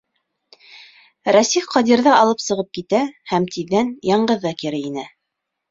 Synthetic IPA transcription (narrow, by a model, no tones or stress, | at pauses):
ɾæsifqɑd̪iɾðɑɑlˠɤpsɤ̆ʁɤp̚kit̪æhæmt̪iðːænjɑɴɢɤðːɑkiɾɘinɘ